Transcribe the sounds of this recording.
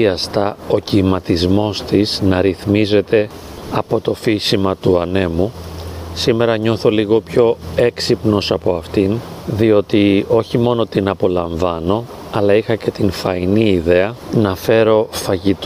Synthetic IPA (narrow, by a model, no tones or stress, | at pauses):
iɐst̪ɐo̞cimɐt̪izmo̞st̪iznɐɾiθmize̞t̪e̞ | ɐpo̞t̪o̞fisimɐt̪uɐne̞musime̞ɾɐɲo̞θo̞liɣo̞pço̞e̞ksipno̞sɐpo̞ɐft̪inðio̞t̪io̞çimo̞no̞t̪inɐpo̞lɐɱvɐno̞ | ɐlɐixɐce̞t̪infɐiniːðe̞ɐnɐfe̞ɾo̞fɐʝit̪